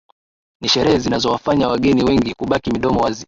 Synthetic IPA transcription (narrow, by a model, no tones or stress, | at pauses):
niʃɛɾɛhɛzinazɔwafaɲawaɠɛniwɛŋɡikuɓakimiɗɔmɔwazi